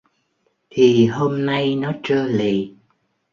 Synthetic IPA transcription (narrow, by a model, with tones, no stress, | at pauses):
t̪ʰi˨˩ɦo˧mna˧jnɔ˨˦t͡ɕəː˧lḭ˨